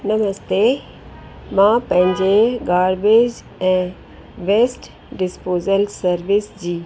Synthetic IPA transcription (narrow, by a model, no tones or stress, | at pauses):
nɐməst̪e | mãpɐ̃ɦɪ̃ɲd͡ʑeɡaːɾbeːd͡ʑ | ɛ̃ː | ʋeːsʈ | ɖɪspoːzəlsɐɾʋɪsd͡ʑiː